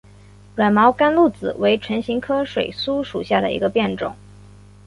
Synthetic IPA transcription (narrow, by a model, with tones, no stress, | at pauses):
ɥə˨˩nmɑ˧˥ʊka˥nlu˥˩t͡sɹ̩˨˩we˧˥ɪʈ͡ʂʰwə˧˥nɕi˧˥ŋkʰɤ˥ʂwe˨˩ɪsu˥ʂu˨˩ɕja˥˩d̪ə̰˩ḭ˧˥ɡə˧pjɛ˥˩nʈ͡ʂʊ̰˨˩˦ŋ